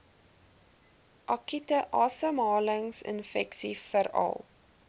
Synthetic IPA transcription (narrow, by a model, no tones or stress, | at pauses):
ʔɑkitəʔɑːsəmɑːləŋsə̰nfɛksifəɾɐ̰lˠ